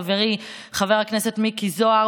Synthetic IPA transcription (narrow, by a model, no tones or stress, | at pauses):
veʁi | χaveʁaknesetmikizoa